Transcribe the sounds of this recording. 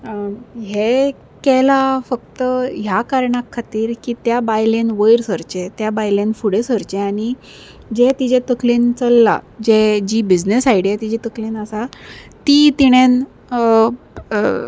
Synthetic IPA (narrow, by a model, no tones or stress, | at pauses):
ɦe | kɛlafək̚t̪əɦjakaɾɳakʰːat̪iːɾkiːt̪jabajlenʋəjɾsəɾt͡ɕet̪jabajlenfuɽesəɾt͡ɕeaɽ̃i | d͡ʑet̪id͡ʑet̪əklent͡səlːa̰d͡ʑed͡ʑiːbid͡ʑnesajɽijat̪id͡ʑet̪əklenəsat̪it̪iɽ̃en